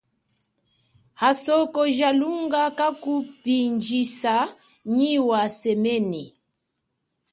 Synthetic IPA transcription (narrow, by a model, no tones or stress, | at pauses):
hasɔkɔʒaluŋɡakakupind͡ʒisa | ɲiwasɛmɛni